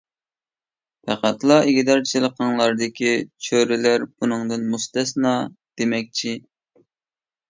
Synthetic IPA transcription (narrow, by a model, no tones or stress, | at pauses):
pʰæqæt̪lˠɑʔeɡʲid̪ɑɾt͡ʃʰilˠəqʰɑŋlˠɑɾd̪ɨkʲʰit͡ʃʰøɾɪlæɾbunɨŋd̪ɨnmust̪ɛsnɑd̪̥emɛk̚ʲt͡ʃʰi